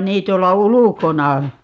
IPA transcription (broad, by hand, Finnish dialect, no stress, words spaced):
niː tuolːɑ ulukonɑ